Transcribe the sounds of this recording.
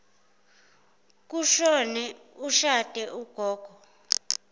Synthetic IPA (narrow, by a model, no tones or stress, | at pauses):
k̬uʃɔnɛ | uʃatʼɛʔuɡ̥ʱɔːɡ̥ʱɔ